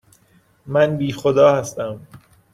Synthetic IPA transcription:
mænbiːxod̪ɒːhæst̪æm

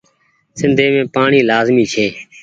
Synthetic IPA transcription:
sɪ̃nd̪ʱeːmẽːpaːɳiːlaːzmiːt͡ʃʰeː

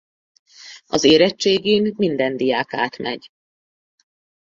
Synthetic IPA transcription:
ɒzeːɾɛt͡ʃt͡ʃːeːɡeːmːind̪ɛnd̪ijaːka̰ːt̪mɛ̰ɟ

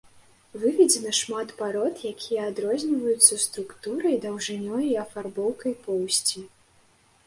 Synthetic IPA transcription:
vɨvʲid͡zʲɛnɐʂmat̪paɾɔt̪jakʲʰijɐːd̪ɾɔzʲnʲvɐjut̪sːɐst̪ɾukt̪uɾɐjd̪ɐwʐɨnʲɔjɐiɐfarbɔwkɐjpɔwsʲt͡sʲi

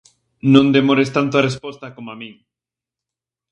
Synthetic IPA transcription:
nõnd̪emoɾest̪ant̪oarespost̪akomamĩŋ

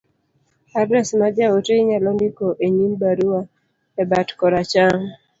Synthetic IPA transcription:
adɾɛsmad͡ʒaoteiɲalɔndɪkoʔeɲimbaɾua | ɛbatkɔɾat͡ʃaŋ

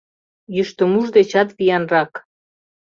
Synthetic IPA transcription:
jyʃt̪ə̆muʒd̪et͡ɕɑt̪βijɑnrɑk

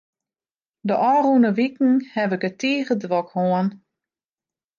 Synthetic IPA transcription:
dəʔɔːrunəʋikŋ̩hɛvəkətiːɣədʋɔkhoən

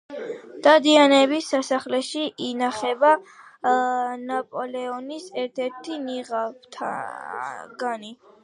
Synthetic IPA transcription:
d̪̥ad̪ianɛβisːasaχlɛʃiʔinaχɛba | napʼɔlɛɔnisɛɾt̪ʰɛɾt̪ʰiniʁapt̪ʰa̰ | ɡani

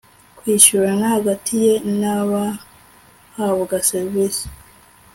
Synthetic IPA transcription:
kwiːʃuɾanahaɡatʰije̞naβa | haβuɡaseɾβisi̥

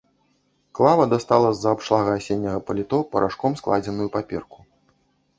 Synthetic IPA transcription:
klˠavɐd̪ast̪alˠɐzːɐːpʂlˠaɣɐasʲenʲːɐɣɐpɐlʲit̪ɔpɐɾʔaʂkɔmsklˠad͡zʲɛnujupapʲɛ̰rku̥

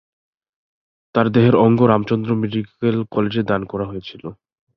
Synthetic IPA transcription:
t̪aɾd̪eɦeɾɔŋɡoɾamt͡ɕɔnd̪ɾomeɖikelkɔled͡ʑed̪ankɔɾaɦojet͡ɕʰilo

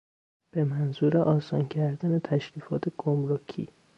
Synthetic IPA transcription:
b̥e̞mænzuːɾeʔɒːsɒːncʰæɾd̪æne̞t̪ʰæʃɾiːfɒːt̪ʰeɡ̥omɾocʰḭː

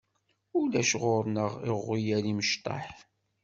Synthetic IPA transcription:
ʊlæʃʁʊɾnəʁɪʁːijæɾiməʃt̪ˤɑ̰ħ

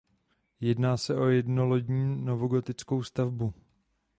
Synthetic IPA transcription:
jɛdnaːsɛʔo̞jɛdno̞loɟɲiːnovoɡot̪ɪt͡sko̞wst̪avbu

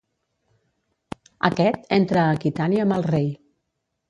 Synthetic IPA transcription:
ə̰kɛt̪ent̪ɾəːkit̪aniəməlˠrej

